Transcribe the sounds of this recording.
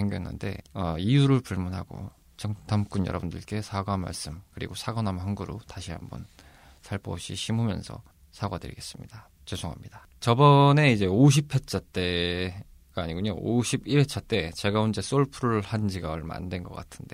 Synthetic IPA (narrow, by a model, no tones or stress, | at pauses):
eŋɡʌenːɯ̰nde̞̰ʌijuɾɯɭpuɭmunɦaɡo̰ | t͡ɕʌŋtʰamk͈unjʌɾʌbundɯɭk͈e̞sʰaɡamːa̰ɭs͈ɯmkɯɾḭɡosʰaɡʌnamhaŋɡuɾotaɕʰiɦa̰mbʌn | sʰaɭpʰo̰ɕʰiɕʰimumjʌ̰nsʰʌ̰ | sʰaɡadɯ̰ɾḭɡe̞s͈ɯmɲid̥a | t͡ɕesʰoŋɦamɲid̥a | t͡ɕʌbʌne̞id͡ʑe̞oɕ̬ʰipʰe̞t͡ɕʰat͈e̞ | ɡ̥aːɲiɡuɲo̰oɕʰibie̞t͡ɕʰat͈e̞t͡ɕe̞ɡaund͡ʑes͈oɭpʰuɾuɭhand͡ʑiɡaɯɭma̰ndwe̞nɡʌk͈atʰɯnde̞